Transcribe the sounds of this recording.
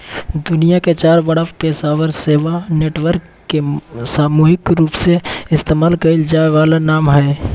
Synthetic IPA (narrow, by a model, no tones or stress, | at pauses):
d̪ʊnijaket͡ʃaːɾbɐɽapeːsaːʋəɾseːʋaneːʈʋəɾkːesaːmuːɦɪkɾuːpseɪst̪eːmaːlkɐɪld͡ʒaːeʋaːlanaːmɦɛː